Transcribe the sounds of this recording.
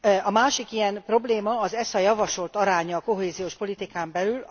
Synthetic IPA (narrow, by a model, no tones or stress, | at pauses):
ɒmaːʃikijɛmprɾo̞bleːmɒːzɛsɒjɒvɒʃo̞lt̪ɒɾaːɲɒːko̞ɦeːzijoːʃpo̞lit̪ikaːmbɛlyl